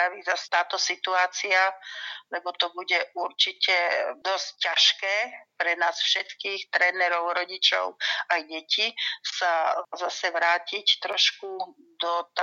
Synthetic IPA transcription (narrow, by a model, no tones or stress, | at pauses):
aʋizast̪aːt̪ɔsit̪uaːt͡sialɛbɔt̪ɔbuɟɛʔuɾt͡ʃicɛd̪ɔsccaʃkɛːpɾɛnaːsfʃɛt̪kiːxt̪ɾɛːnɛɾɔʊɾɔɟit͡ʃɔ̰ʊajɟɛcisazasɛʋɾaːcict̪ɾɔʃku | d̪ɔt̪